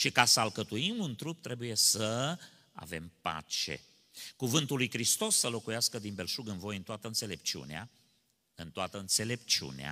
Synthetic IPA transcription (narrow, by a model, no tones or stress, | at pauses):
ʃikasəalkət̪uimunt̪ɾup̚t̪ɾe̞buje̞sə | a̰ve̞mpa̰t͡ʃe̞̰ | kuvɨnt̪ulːujkɾist̪o̞sːəlo̞kujaskəd̪inbe̞lʃuɡɨnvo̞jɨnt̪oat̪əɨnse̞le̞p̚t͡ʃiṵnea̰ | ɨnt̪oat̪əɨnt̪se̞le̞pt͡ʃṵnea̰